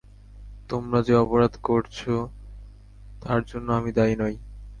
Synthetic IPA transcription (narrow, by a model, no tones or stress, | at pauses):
t̪omɾad͡ʑeɔpoɾad̪koɾt͡ɕʰo | t̪aɾd͡ʑonːoamid̪ajnɔj